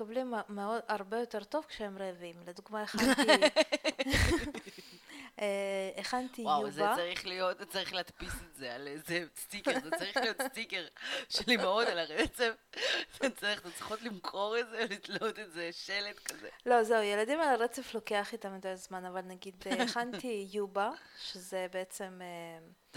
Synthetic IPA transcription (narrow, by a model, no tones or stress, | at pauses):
kablimmeo̞d̪aʁbe̞jo̞t̪e̞ʁt̪o̞vkʃeemʁevimled̪uɡmaeχant̪i | eχant̪iwawuzebaaʁiχlijo̞t̪t͡saʁiχleat̪pisetzealezest̪ikezet͡saʁiχlijotst̪ikeʁʃelimeotalaʁet͡sefet͡saʁiχzet͡sʁi̥χot̪limkʰo̞ʁetzelit̪lot̪ezeʃeled̪kazelo̞zeujeladimalaʁet͡seflo̞keaχit̪amideazmanavalnaɡid̪χant̪ijubaʃezebeet͡se̞me